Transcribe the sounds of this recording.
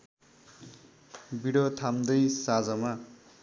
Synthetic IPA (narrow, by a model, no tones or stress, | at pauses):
biɽʌt̪ʰamd̪ʌjsad͡zʌma